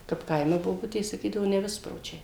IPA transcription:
kɐp ˈkɐɪmʲɛ boːˈbʊtʲeːs sɐˈkʲiːdɐʋoː nʲɛˈʋʲɪsproːt͡ʃʲɛɪ

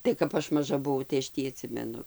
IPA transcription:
tɐɪ kɐp ˈɐʃ mɐˈʒɐ bʊˈʋɐʊ tɐɪ ɐʃ ˈtʲiː ɐˈtʲsʲɪmʲɛnʊ

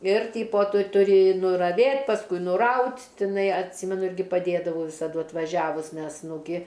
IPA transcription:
ɪr ˈtʲiːpoː ˈtʊ tʊˈrʲɪ nʊrɐˈʋʲeːt pɐsˈkʊɪ nʊˈrɐʊtʲ tʲɪˈnɐɪ ɐtʲˈsʲiːmʲɛnʊ ˈɪrʲɡʲɪ pɐˈdʲeːdɐʋɐʊ ʋʲɪsɐˈdʊ ɐtʋɐˈʒʲæːʋʊs ˈnʲɛs nʊ ˈɡʲɪ

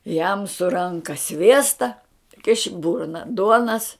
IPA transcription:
jɛm sʊ ˈrɐŋkɐ ˈsʲʋʲiɛstɐ kʲɪʃ ɪ ˈbʊrnɐ ˈduɔnɐs

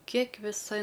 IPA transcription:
ˈkʲiɛk ʋʲɪˈsɐ

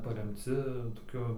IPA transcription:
pɐrʲɛmʲˈt͡sʲɪ toːˈkʲʊ

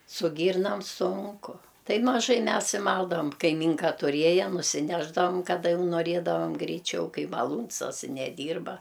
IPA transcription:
sʊ ˈɡʲiːrnɐm ˈsʊŋkʊ ˈtɐɪ mɐˈʒɐɪ ˈmʲɛs ɪ ˈmɐlˠdɐʋɐm kɐɪˈmʲiːŋkɐ tʊˈrʲiɛjɛ nʊsʲɪˈnʲæːʒdɐʋɐm kɐˈdɐ ˈjɛʊ noːˈrʲeːdɐʋɐm ɡrʲɛɪˈt͡ʃʲɛʊ ˈkɐɪ mɐˈlˠuːns ɐs ɪ nʲɛˈdʲiːrbɐ

